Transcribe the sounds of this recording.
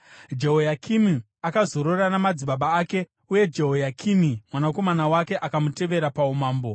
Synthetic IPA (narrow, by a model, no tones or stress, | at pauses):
d͡ʒe̞ɦojakʰimi | akazo̞ɾo̞ranamad͡ziɓaɓaːke̞ | uje̞d͡ʒeɦojakʰimimwanako̞manawake̞ʔakamute̞ʋe̞ɾapaumaːmbo̞